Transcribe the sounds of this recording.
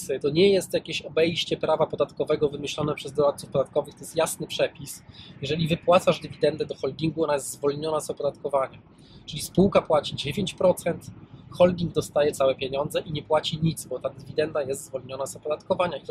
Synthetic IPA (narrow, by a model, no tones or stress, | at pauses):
sɘt̪ɔɲɛjɛst̪jakʲeɕɔbɛjɕt͡ɕɛpɾavapɔd̪at̪kɔvɛɡɔvɘmɘɕlɔnɛpʂɛzd̪ɔɾat̪̚sufpɔd̪at̪̚kɔvɘxt̪ɔjɛst̪jasnɘpʂɛpʲisjɛʐɛlʲivɘpwat̪saʐd̪ɘvʲid̪ɛnd̪ɛd̪ɔxɔlɡ̪ʲiŋɡuɔnajɛst̪ːzvɔlɲɔnazɔpɔd̪at̪kɔvaɲa | t͡ʂɘlʲispuwkapwat͡ɕid͡ʑevʲjeɲt͡ɕpɾɔt̪sɛnt̪xɔlɡ̪ʲiŋɡd̪ɔst̪ajɛt̪sawɛpʲjeɲɔnd̪zɛʔiɲɛpwat͡ɕiɲit̪zbɔt̪ad̪ɘvʲid̪ɛnd̪ajɛst̪zvɔlɲɔnazɔpɔd̪at̪kɔvaɲait̪